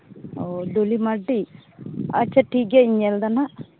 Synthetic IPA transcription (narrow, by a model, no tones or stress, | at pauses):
od̪olimaɖi | a̰t͡ʃːɐʈiɡeiɲɛld̪ɐna